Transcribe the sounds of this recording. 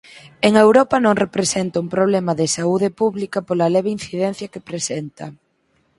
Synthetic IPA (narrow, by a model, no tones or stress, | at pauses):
eŋewɾɔpɐnõŋrepɾesent̪ɐuŋpɾoβlɛmɐðɪsauðɪpuβlikɐpolɐlɛβein̟θiðɛn̟θjɐkepɾesɛnt̪ɐ